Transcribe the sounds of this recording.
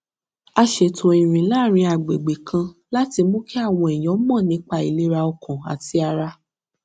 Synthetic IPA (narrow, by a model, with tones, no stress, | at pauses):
a˧ʃe˨tʰo˨ĩ˨ɾ̃ĩ˨la˦˨ɾ̃ĩ˧a˨ɡ͡be˨ɡ͡be˨kʰã˧la˦ti˧mõ˦kɛ˦a˦˨w̃ɔ̃˧ɛ˨j̃ɔ̃˨˦mɔ̃˦˨nĩ˨˦k͡pa˧˨i˨le˦ɾa˧ɔ˧kɔ̃˨a̰˨ti˧a˧ɾa˧